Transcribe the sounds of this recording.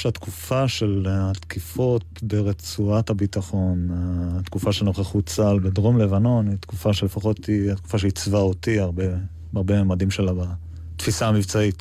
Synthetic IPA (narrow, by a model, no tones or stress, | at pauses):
ʃeatkufaʃelat̪kifo̞t̪̚beʁet͡suathabitaχo̞nat̪kufaʃenoχeχut͡salbedʁo̞mle̞vano̞nit̪kufaʃelefaχo̞t̪iat̪ku̥faʃeit͡svaotiaʁbe | aʁbemeːmadimʃe̞laba | tfisaamivt͡sait